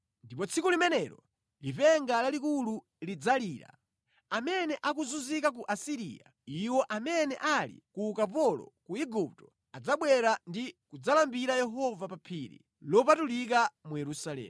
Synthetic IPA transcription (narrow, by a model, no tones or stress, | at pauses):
ndipɔt͡sʰikulimɛnɛɾɔ | lipɛŋɡalalikulu | lid͡zaliːɾa̰ | amɛnɛʔak̬uzunzikak̬uʔasiɾḭja̰ | iwɔʔamɛnɛʔalḭkukapɔlɔ̰kuiɡup̚tɔ̥ | ad͡zaɓwɛɾandikud͡zalambiɾajɛɦɔvapapʰiːɾḭ | lɔpatulik̬amujɛɾusalɛ̰ːm